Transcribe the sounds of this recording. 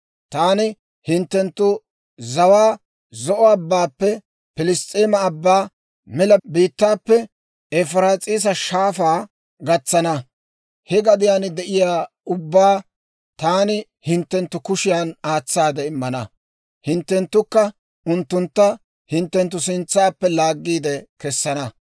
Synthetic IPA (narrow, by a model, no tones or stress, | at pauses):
t̪aːnɪ | hɪnt̪ːɛnt̪ːʊ | zɐwaː | zɔʔɔɐbːaːpːɛ | pɪlɪst̪ʼeːmɐːbːaː | mɛlɐbiːt̪ːaːpːɛ | ɛfɾaːt͡sʼiːs̬ɐʃaːfaː | ɡɐt͡sːɐnɐ | hɛɡɐd̪ɪjaːnɪd̪ɛʔɪjaː | ʊbːaː | t̪aːnɪ | hɪnt̪ːɛnt̪ːʊkʊʃɪjanaːt͡sːaːd̪ɛɪmːɐnɐ | hɪnt̪ːɛnt̪ːʊkːɐ | ʊnt̪ːʊnt̪ːɐ | hɪnt̪ːɛnt̪ːʊsɪnt͡sːaːpːɛlaːɡːiːd̪ɛkɛsːɐnɐ